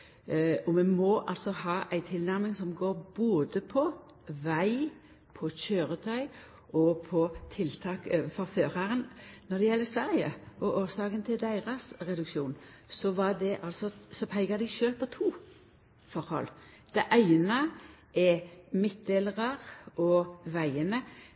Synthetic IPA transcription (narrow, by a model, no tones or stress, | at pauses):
ɔmɛmɔʔɑ̰lsɔhɑːʔæɪt̪ʰɪlnæʁmɪŋsɔmɡoːɾboːd̪əpʰɔ | ʋæɪ | pʰɔɕøːʁət̪ʰœʏ | ʔɔpʰɔt̪ʰɪlt̪ʰɑːkøːʋənfɔɾføːɾɑʁənnɔd̪ɛjɛlːəsʋæːʁɪəʔɔʔoːsɑːkənt̪ʰɪld̪æɪʁɑsʁɛd̪ʉkʃuːn | sɔʋɑd̪ɛʔɑlsɔsɔpʰæɪɡɑd̪ɛʃøːlpʰɔt̪ʰuː | fɔɾhɔ̰lː | d̪̥ɛʔæɪnə | ɛmɪt̪̚d̪eləʁɑʁʔɔʋæɪənə